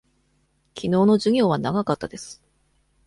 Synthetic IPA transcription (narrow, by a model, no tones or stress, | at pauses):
kʲʰino̞ːno̞ʑɨɡʲo̞ːβanaɡakat̪ːad̪e̞sɨ̥